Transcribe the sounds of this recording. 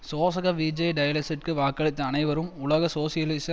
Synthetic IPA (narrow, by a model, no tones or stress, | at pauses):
soːsɐɣɐʋid͡ʒɐɪɖɐjɐlɐsɪʈ̚kɯʋaːkːɐɭɪt̪ːɐɐnɐɪʋɐɾɯmʊɭɐɣɐsoːsɪjɐlɪs